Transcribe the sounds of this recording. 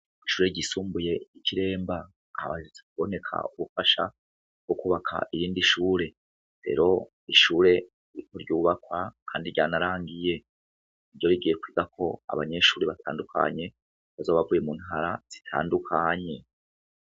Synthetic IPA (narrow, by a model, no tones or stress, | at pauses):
iʃuːɾe̞ɟisuːmbuje̞iciɾe̞ːmba̰ː | βa̰ʒut͡si̥βo̞ne̞kʰa̰uβufaʃa̰ | ɡ̥o̞kuβakʰa̰ʔijiːndiʃuːɾe̞ | ɾe̞̰ɾo̞ | iʃuːɾe̞ | iɾiko̞ɾɟuːβakwakʰaːndiɾɟaːnaɾaːŋɡije̞ | iɾɟo̞ɾiɡije̞kwiːɡakʰo̞a̰βaɲe̞ʃuːɾe̞βatʰa̰ːndukʰa̰ɲe̞ | βazoːβavuje̞mun̥haɾaz̥i̥tʰa̰ːndukʰaɲe̞